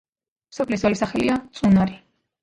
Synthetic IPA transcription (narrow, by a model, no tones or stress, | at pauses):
msɔpʰlisɔlisaχɛliat̪sʼunaɾi